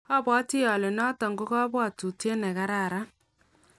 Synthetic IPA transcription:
ɔ˦˨bɔ˦tɪ˦ja˨le˨nɔ˦tɔ˨ŋɡo˦kɔ˦bwa˦˨tu˨te˦nɛ˨ka˦ɾa˦˨ɾa˦

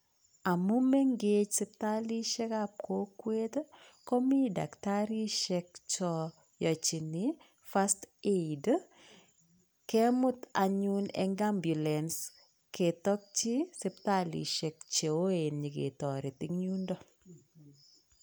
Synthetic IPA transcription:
a˨mʊ˦mɛ˦ŋɡet͡ʃsɪ˦p̚ta˦li˦ʃɛ˦kap̚ko˦kwe˦t | kɔ˦mi˦da̰˨kta˦ɾi˦ʃɛk̚t͡ʃɔ | jɔ˨t͡ʃi˨ni | fa˦steid | kɛ˦mʊ˦ta˨ɲunɛ̰ŋɡambju˨lɛns | ke˨tɔ˦k̚t͡ʃi˦sɪ˦p̚ta˦lḭ˨ʃɛ˨k̚t͡ʃe˨o˦enɲi˨kḛ˨tɔ˨ɾɪ˨tɪ˦ŋɲu˦ndɔ˦

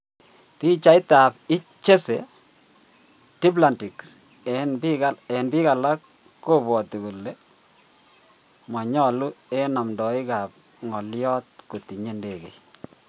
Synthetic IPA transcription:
pi˦t͡ʃa˦jta˨pɪ˦ | t͡ʃe˦se˨ | ti˦p̬la˨nti˨k | ɛnbiaɛ˨nbi˦ka˨la˦kː | o˦bɔ˨ti˨ku˨le˨ | ma˨ɲɔ˦˨lu˦e˦na˨mndɔ˨ɪ˦ka˨p̚ | ŋɔ˨ljɔ˦t̚ko˨ti˨ɲe˦nde˨kḛ˨

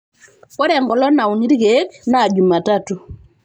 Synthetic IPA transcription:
kɔ˦ɾɛ˨ŋɡɔ˨lɔ˦na˨u˨ni˦ɾi˦ɣe˦knaː˦˨d͡ʒu˨ma˨tatu˨

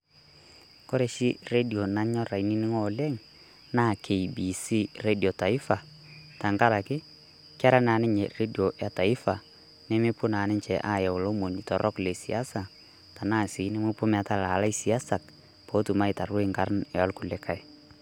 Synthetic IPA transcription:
ko˦ɾe˦ʃi˦re˦di˨o˨na˦ɲɔ˦ɾa˨i˦ni˦nɪ˦ŋɔ˦lɛ˦ŋ | na˦˨kʰe˨ibi˨si˦re˦di˨o˨ta˨ɪ˦fa˨ | ta˨ŋka˦ɾa˨kɪ˦ | ka˦ɾa˦na˨˦nɪ˦ɲe˨re˦di˨o˨ja˨ta˨ɪ˦fa˨ | nɛ˦mɪ˦pʊ˦na˨˦nɪ˦ɲt͡ʃɛ˨ʔa˦˨jɛ˨ʊ˨lo˦mo˨ni˨tɔ˨ɾʔɔ˦kle˨si˨a˦sa˨ | ta˨naː˦˨si˨˦nɪ˦mʊ˦pʊ˦ma˨ta˦la˨la˦i˦si˨a˦sa˨k | po˨˦tu˨ma˦i˨ta˨ɾwe˦i˨ŋka˦ɾnɛ˨a˦lkʊ˨le˦kʰa˦j

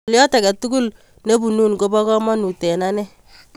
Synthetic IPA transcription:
ljɔ˦ta˨ka˨tu˦ɡu˦l | ne˦bu˨nu˦nɡo˦bɔ˦kɔ˦mɔ˦nu˨tɛ˨na˦nɛ˦

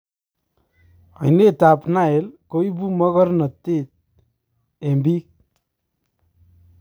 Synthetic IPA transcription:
ʌ̰˨jne˦t̪apna˦e˨lkoibu˦mʌ˦ɣɔ˦ɾnʌ˨t̪ːe˦t̪̚ | embi˦k̚

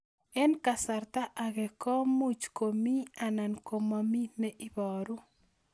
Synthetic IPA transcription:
ɛ˦nka˨sa˨ɾt̪a˦ʔa˨ɡɛ˨kɔ˦mu˦t͡ʃko˨mi˦a˨na˨nko˨ma˨mi˦nɛ˦ʔi˦bɔ˨ɾu˦

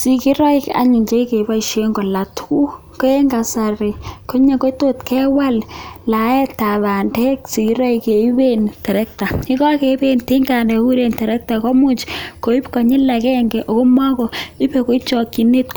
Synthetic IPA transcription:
si˨ki˦ɾɔ˦i˦ka̰˨ɲi˨ɲt͡ʃe˦i˦ke˨ba˦i˨ʃe˦ŋɡo˨la˨tku˦ | ko˦e˦ŋɡa˨sa˨ri˨ko˦ɲe˦ko˦to˦tkɛ˦wa˦lla˨ɛ˦ta˨βa˨ndɛ˦ksi˨ki˦ɾɔ˦i˨ke˨i˦bentɛ˨ɾɛ˦k̚ta˨i˦kɔ˦ke˨˦be˦nti˦ŋɡa˨ndɛ˨u˦ɾe˨ntɛ˨ɾɛ˦k̚ta˨kɔ˦mu˦t͡ʃko˨i˦pkɔ˨ɲɪ˦lːa˨kɛ˦ŋɡɛ˨ʔo˨ko˦ma˦kɔ˨i˦pe˨ko˦i˦t͡ʃɔ˨ki˨ne˦t

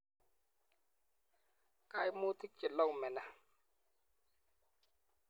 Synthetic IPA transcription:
kaː˧˨jmuː˧t̪ʰi˦k̚t͡ɕi˨t̪̚lɔ˧˨mɛ˨na˧˨

